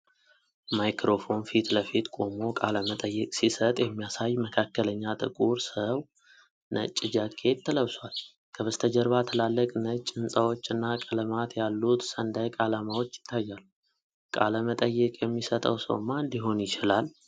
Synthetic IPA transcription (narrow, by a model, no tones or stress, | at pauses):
majkɾo̞fo̞nfit̪ləfit̪kʼo̞mo̞kʼaləmət̪ʼəjːɛkʼsisət̪ʼjɛmːijasajːməkʰakːələɲːat̪ʼɨ̰kʼuɾsəw | nʔə̰t͡ʃʼːɪd͡ʒakʰe̞t̪t̪ʰːələβswal | kʰəβəst̪ʰəd͡ʒəɾβat̪ʰəlalːəkʼnət͡ʃʼːɨnsʼəwo̞t͡ʃːɨnːakʼələmat̪jalːut̪sənd̪ajkʼalamawo̞t͡ʃːjɪ̥t̪ʰːajːalːu | kʼa̰ləmət̪ʼəjːɛkʼjɛmːisət̪ʼə̰wsə̰wmːaɨnd̪iɦo̞njɪt͡ʃɪlal